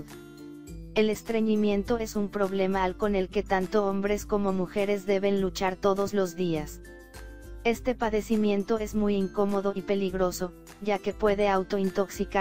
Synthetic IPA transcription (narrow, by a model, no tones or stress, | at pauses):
e̞lest̪ɾe̞ɲimjẽ̞nt̪o̞e̞sumpɾo̞βle̞malko̞ne̞lke̞t̪ant̪oombɾe̞sko̞mo̞muxe̞ɾe̞zðe̞βe̞nlut͡ʃaɾt̪o̞ðo̞zlo̞zðias | e̞st̪e̞paðe̞simjẽ̞nt̪o̞e̞zmujiŋko̞mo̞ð̞o̞ipe̞liɣɾo̞so̞ | ʝake̞pwe̞ðe̞awt̪o̞int̪o̞ksika